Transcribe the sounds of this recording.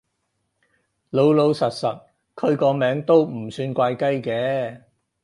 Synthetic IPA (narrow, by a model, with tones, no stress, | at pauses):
lo˨˧wlo˨˧wsɐ˨t̚sɐ˨t̚ | kʰɵ˧ɥkɔː˧mɛː˨˥ŋt̪o˥wm̩˨˩syː˧nkʷaː˧jkɐ˥jkɛː˨˥